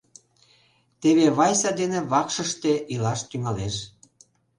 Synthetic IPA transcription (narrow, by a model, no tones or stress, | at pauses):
t̪eβeβɑjsɑd̪eneβɑkʃə̆ʃt̪eʔilɑʃt̪yŋɑleʃ